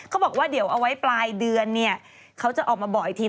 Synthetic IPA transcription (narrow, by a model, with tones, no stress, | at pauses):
kʰa˦˥wbɔː˨˩k̚waː˥˩di˩˦wʔa˧wa˦˥jplaː˧jdɯ˧ənːi˥˩ɐ | kʰa˦˥wt͡ɕa˨˩ʔɔː˨˩k̚maː˧bɔ˨˩jt̪ʰiː˧